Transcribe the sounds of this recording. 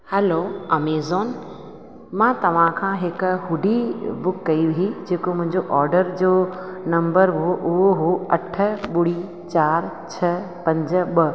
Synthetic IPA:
hɛloɐmeːzoːn | mãːt̪ɐʋ̤ãkʰãːɦɪkɦʊɖʱibʊkːɐiʋiɦid͡ʑeːkomʊ̃ɦɪ̃ɲd͡ʑoʔɔːɾɖəɾd͡ʑoːnɐ̃mbəɾɦoʔʊɦoɦoɐʈʰə̆ɓʊɽi | t͡ɕaːɾ | t͡ɕʰɐ | pɐ̃ɲd͡ʑ̆ɓɐ

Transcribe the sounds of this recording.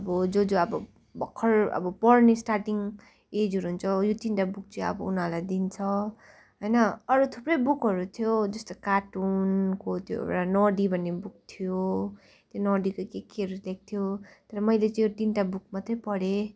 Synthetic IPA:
ʌbʌd͡zod͡zoʌbʌ | bʌkʰːʌrʌ̰bʌpʌɽnesʈarʈiŋ | ed͡zʌɾuɦunt͡sʰʌjot̪inʈabuk̚t͡sʌʌ̰bʌunalajd̪int͡sʰʌ | ɦʌjnʌʌɾut̪ʰuprʌjbukɦʌɾut̪ʰijod͡zʌst̪okaʈunkot̪jo̰ḛwɽanɔɖibʱʌnːebuk̚t̪ʰijo | t̪jonʌɖikokekeʌɾulek̚t̪ʰijot̪ʌɾʌmʌjlet͡sʌ̃jot̪inʈabuk̚mʌt̪rʌpʌɽe

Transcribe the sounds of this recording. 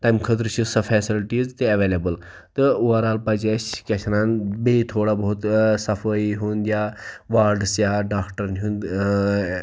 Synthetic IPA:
t̪ɐjmkʰət̪ɾt͡ʃʰisɐfʰeːsilʈizt̪eɐʋeːlebəl | t̪ɨuʋaɾaːlpɐd͡ʒet͡ʃkʲeʃnaːnbet̪ʰoːɽabɐɦut̪sɐfəiɦuːnd̪ijaːʋaːɾɖsjaːɖaːkʈɐɾnɦuːnd̪

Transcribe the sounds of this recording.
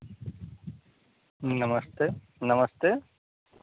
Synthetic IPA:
nɐməst̪e | nɐməst̪e

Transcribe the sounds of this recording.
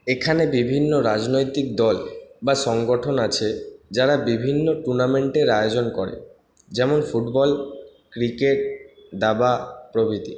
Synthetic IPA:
ekʰanebibʱinːoɾad͡ʑnojt̪ik̚d̪ɔlbaʃɔŋɡoʈʰonat͡ɕʰed͡ʑaɾabibʱinːoʈuɾnameɳʈeɾajod͡ʑonkɔɾḛ | d͡ʑɛmonfuʈbɔl | kɾikeʈ̚d̪abapɾobʱit̪i

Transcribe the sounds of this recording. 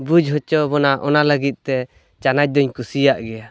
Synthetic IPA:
bud͡ʒɦɔt͡ʃɔbɔnaʔɔnaləɡit̪̚ˀt̪ɛ | t͡ʃanac̚d̪ɔɲkusijaʔɡɛja

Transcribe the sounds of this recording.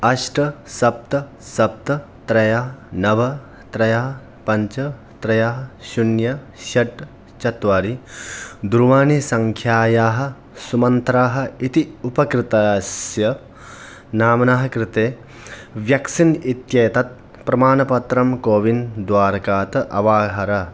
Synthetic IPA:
ɐʂʈɐsɐp̚t̪ɐ | sɐp̚t̪ɐ | t̪ɾɐjaːnɐʋɐ | t̪ɾɐjaːɦ | pɐɲt͡ʃɐ | t̪ɾɐjaːɦɐʃunjɐ | ʃɐʈ | t͡ʃɐt̪ʋaːɾi | d̪uɾʋaːnisɐŋkʰjaːjaːɦɐ̆ | sumɐnt̪ɾaːɦɐ̆it̪iupɐkɾɪt̪asjɐ | naːmɐnaːɦɐ̆kɾɪt̪eː | ʋjɐksinit̪jeːt̪ɐt̪̚ | pɾɐmaːnɐpɐt̪ɾɐmkoːʋind̪ʋaːɾɐkaːt̪ɐʔɐʋaːɦɐɾɐ

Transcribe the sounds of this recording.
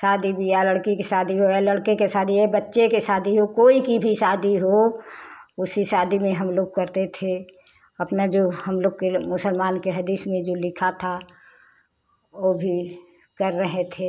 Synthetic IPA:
saːd̪ʱibʱijaləɽkekesaːd̪ʱiɦoaləɽkekesaːd̪ʱiɛbətːʃekesaːd̪ʱiɦokoːikibʱisaːd̪ʱiɦo | ʊsisaːd̪ʱimẽɦɐmloːɡ̚kɐɾt̪et̪ʰe | ɐpnad͡ʒoɦɐmloːɡkemʊsəlmaːnkeɦɐd̪iːsmẽd͡ʒoːlɪkʰat̪ʰa | obʱi | kɐɾːəɦet̪ʰe

